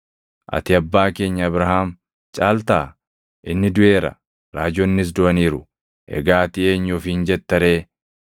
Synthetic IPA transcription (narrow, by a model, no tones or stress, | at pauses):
ʔɐ̰t̪ɪɐbːaːke̞ːɲːɐɐbɾɐɦaːm | t͡ʃʼaːlt̪aː | ʔɪnːɪd̪ʊe̞ːɾɐ̰ | ɾaːd͡ʒɔnːɪs̬d̪ʊʔɐniːɾʊ | ʔɛ̰ɡaːt̪ɪe̞ːɲːʊfɪnd͡ʒɛt̪ːɐɾe̞ː